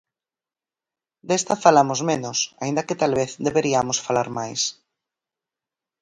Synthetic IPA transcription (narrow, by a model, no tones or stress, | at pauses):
d̪est̪afalamozmenosaind̪aket̪alβeθd̪eβeɾiamosfalaɾmajs